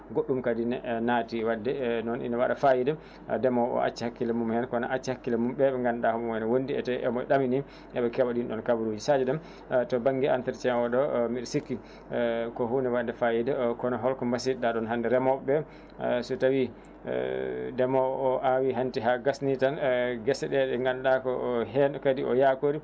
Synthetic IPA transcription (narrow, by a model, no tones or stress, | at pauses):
ɡoɗːumkadinɛnatiwadːɛnɔnʔḭnawaɗafajidɛ̰ | dɛmɔʔɔ̰ʔa̰t͡ʃːihakːilɛmumhɛnkɔnaʔat͡ʃːihakːilɛmumɓɛɓɛŋɡanɗahumumɛnɛwondiɛ̰tɛʔɛmɔɛɗamini | ʔɛɓɛkɛwaɗinɗɔnkabuɾod͡ʒisad͡ʒɛɗɛm | tɔbaŋɡiantɛɾt͡ʃɛɔɗɔmiɗɔsikːi | kɔhunɛwadɛfajidɛkɔnɔɦɔlkɔmbasiɗaɗɔnɦandɛɾɛmɔbɛ | sutawḭ | dɛmɔːʔawiɦantiɦaɡasnitanɡɛsɛɗɛɗɛŋɡanɗakɔɦɛnkadiɔ̰jakoɾi